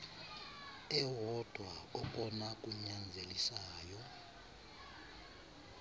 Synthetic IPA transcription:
ɛɦɔd̥ʱwaɔɓʼɔnakʼuɲand͡zʱelisaːjɔ

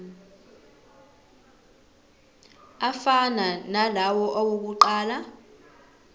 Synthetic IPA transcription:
afananalawɔʔowok̬uǃaːla

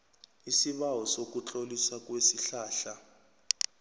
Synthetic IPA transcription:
isiɓawɔsok̬ut͡ɬʼolisak̬ʼwesiɬaːɬa

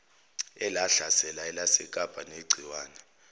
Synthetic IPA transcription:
ɛlaɬasɛlaɛlasɛkʼab̥ʱʼaneɡ͡ǀʱiwaːnɛ

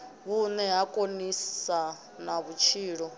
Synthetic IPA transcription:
βunɛɦakʼonisa | naβut͡ʃʰiːɺɔ

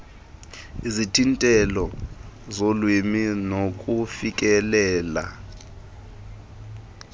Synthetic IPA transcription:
izitʰintʼɛlɔzolwiminok̬ʼufik̬ʼɛlɛːla̰

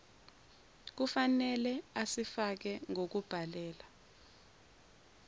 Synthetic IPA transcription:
k̬ufanɛlɛasifak̬ɛŋok̬ub̥ʱalɛːla

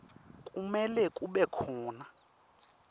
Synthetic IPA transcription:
kʼumɛlɛkʼuɓɛkʰɔːna

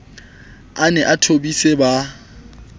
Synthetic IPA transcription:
anɛʔatʰobiseba

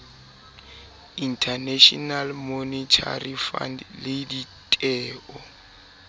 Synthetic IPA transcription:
intʰaneʃɔnalmonitʰa̰rifa̰ndlɪditʼɛːʔɔ

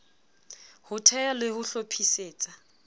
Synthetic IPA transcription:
hʊtʰɛjalɪhʊɬopʰiseːt͡sʼa

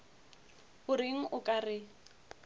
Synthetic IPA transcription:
hʊɾɪŋ̩ʔʊkʼarɪ

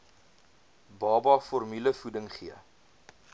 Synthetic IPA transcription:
bɑːbɑfɔrmyləfudəŋχiə

